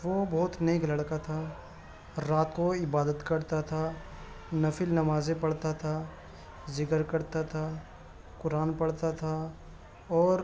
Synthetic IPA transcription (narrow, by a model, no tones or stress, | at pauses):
ʋobɔɦʊt̪neːklɐɽkat̪ʰaː | ɾaːt̪koɪbaːd̪ət̪kɐɾt̪at̪ʰa | nɐfɪlnɐmaːzepɐɽ̤t̪at̪ʰaː | zɪkəɾkɐɾt̪at̪ʰa | kʊɾaːnpɐɽt̪at̪ʰa | ɔːɾ